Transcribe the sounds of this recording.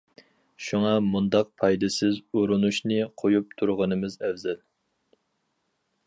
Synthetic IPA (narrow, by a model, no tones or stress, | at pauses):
ʃuŋɑmund̪ɑq̚pʰɑjd̪ɪsɪzoɾunuʃnɨqʰojup̚t̪ʰuɾʁənɨmɪzɛvzɛl